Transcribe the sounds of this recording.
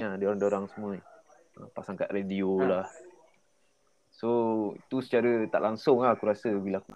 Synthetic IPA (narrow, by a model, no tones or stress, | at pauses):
adoɾaŋdoɾaŋsəmuə | ə̰̃pasaŋkat̪̚rediolah | soḭt̪usə̥t͡ʃaɾət̪a̰ʔlaŋsʊŋlahkuɾasəbilaku